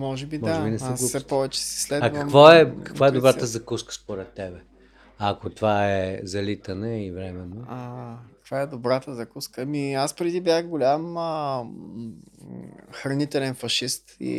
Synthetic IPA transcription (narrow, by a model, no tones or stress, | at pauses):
mɔʒɛbimɔaʒɛbinɛskːsɛpɔvɛt͡ʃɛ̥sɛ̥slɛd̪ak̪ɐəkmvoɛkɐ̥kkvaɛd̪obɾat̪əzɐkuskə̥spoɾɛt̪ːɛbɛ | ɐkot̪ovaɛzɐlit̪ənəivɾɛmɛnːoakɐkv̥aɛd̪obɾat̪əzɐkuskəːmiaspɾɛd̪ibjaxɡolʲamə | xɾɐnit̪ɛlɛnfɐʃist̪ḭ